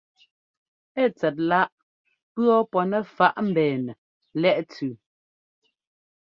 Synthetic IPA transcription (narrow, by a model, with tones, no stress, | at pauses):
ɛ˦˨t͡sɛ˨t̬̚la˦ʔ | pɰɔ˦pɔ˨nɛ˨fa˦ʔm̩˨bɛː˨nɛ˨ | lɛ˦ʔt͡sʉ˨